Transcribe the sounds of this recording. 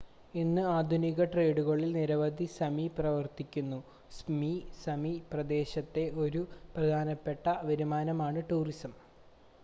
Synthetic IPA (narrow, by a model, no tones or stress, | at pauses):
inːɨaːd̪ʱuniɣɐʈreːɽuɣɐɭːilniɾɐʋɐd̪ʱisɐmiprɐʋɐrt̪ikʲːunːu | smisɐmiprɐd̪e̞ːɕɐt̪ːe̞ʔo̞ɾuprɐd̪ʱaːnɐpːe̞ʈːɐʋɐɾumaːnɐmaːɳɨʈuːrisɐm